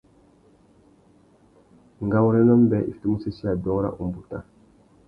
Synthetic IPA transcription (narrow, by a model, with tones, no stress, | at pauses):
ŋɡa˦wɾɛ˦nɔ˦mbɛ˨ʔḭ˨ftu˦mu˦se˦si˦a˨dɔ˦ɾa̰˦ʔu˨mbu˨ta˨